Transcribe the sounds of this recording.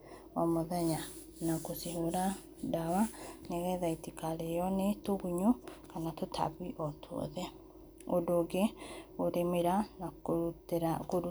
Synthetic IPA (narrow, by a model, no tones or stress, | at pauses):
wamoðɛɲa | nakosiɦoɾa | dawaneɣɛðaitikaɾeɔnetoɣuɲokanatotʰa̰βiʔɔtʰoɔ̰ðɛ | odoːɡeoɾemeɾanaɾakoɾu